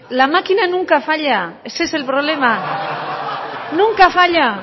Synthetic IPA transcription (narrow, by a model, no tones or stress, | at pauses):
lamakinanũŋkafaʎaeseselpɾoβ̞lema | nuŋkafaʎa